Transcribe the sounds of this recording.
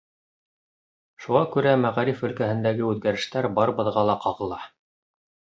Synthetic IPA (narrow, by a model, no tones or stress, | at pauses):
ʃuʁɑkʉɾæmæʁæɾifɵ̆lkæhɘ̆nd̪æɡɘʉðɡæɾɘ̆ʃt̪æɾbɑɾbɤ̆ðʁɑlˠɑqɑʁɤ̆lˠɑ